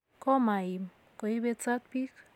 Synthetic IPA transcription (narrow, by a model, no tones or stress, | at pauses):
kɔmaim | kojβet͡sat̪̚pik